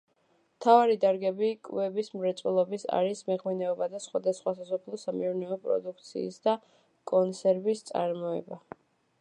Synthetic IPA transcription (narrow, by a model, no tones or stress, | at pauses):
mt̪ʰavaɾid̪aɾɡɛbikʼvɛbismɾɛt̪sʼwɛlˠɔbisa̰ɾismɛʁminɛɔbad̪asχwad̪asχwasasɔpʰlˠɔsamiuɾnɛɔpʼɾɔ̰d̪uk̚ʰt̪sʰḭːsd̪a | kʼɔnsʰɛɾvist̪sʼa̰ɾmɔɛ̰ba